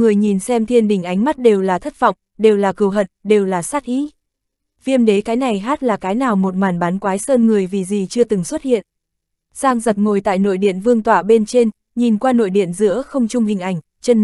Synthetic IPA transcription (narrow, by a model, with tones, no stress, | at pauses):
ŋɨ˨˩əjɲi˨˩nsɛ˧mt̪ʰi˧ənɗï˧˩ŋ̟ʔa˨˦jŋ̟ma˦˥t̚ɗe˨˩wlaː˨˩t̪ʰə˦˥t̚vɔ̰˧˨wŋ͡m | ɗe˨˩wlaː˨˩kɨ˨˧˩wɦə̰˧˨nɗe˨˩wlaː˨˩saː˦˥t̚ʔḭ˧˥ | vi˧əmɗe˨˦kaː˨˦jna˨˩jɦaː˦˥t̚laː˨˩kaː˨˦jnaː˨˩wmo˨˩t̚maː˨˩nɓaː˨˦nkwaː˨˦jsəː˧nŋɨ˨˩əjvi˨˩zi˨˩t͡ɕɨ˧ət̪ɨ˨˩ŋswə˦˥t̚hḭ˧˨ən | saː˧ŋzə˨˩t̚ŋo˨˩jt̪a̰ː˧˨jno̰˧˨jɗḭ˧˨ənvɨ˧əŋt̪waː˧˩ɓe˧nt͡ɕe˧n | ɲi˨˩nkwaː˧no̰˧˨jɗḭ˧˨ənzɨ̰˧˥əxə˧wŋ͡mt͡ɕʊ˧ŋ͡mhï˨˩ŋ̟ʔa˨˩jŋ̟ | t͡ɕə˧n